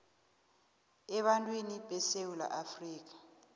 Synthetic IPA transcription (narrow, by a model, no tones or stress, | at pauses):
ɛɓantʼweniɓɛsewula̰ʔafriːk̬ʼḁ